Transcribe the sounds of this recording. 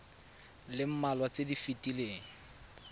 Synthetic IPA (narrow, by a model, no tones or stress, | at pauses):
lɪm̩malwat͡sʼedifitʼileːŋ̩